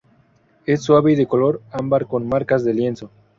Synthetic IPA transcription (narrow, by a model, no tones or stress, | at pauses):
e̞sːwaβeiðekolo̞ɾambaɾko̞nmaɾkazðelje̞nso̞